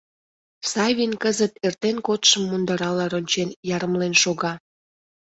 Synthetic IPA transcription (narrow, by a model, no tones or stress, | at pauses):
sɑβʲinkəzət̪ert̪enkot̪ʃəmːund̪ɑɾɑlɑɾonʲt͡ɕenjɑɾəmlenʃoɣɑ